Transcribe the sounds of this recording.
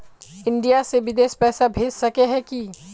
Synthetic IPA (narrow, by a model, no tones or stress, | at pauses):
ɪ̃ɳɖijaseʋɪd̪eːʃpɛːsabʱeːd͡ʒsɐkeɦɛ̃ki